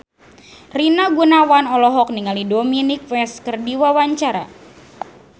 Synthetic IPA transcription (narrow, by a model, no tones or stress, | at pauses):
rinaɡunawanɔlɔɦɔk̚niŋalidominik̚wɛskərdiwawaɲt͡ʃaɾa̰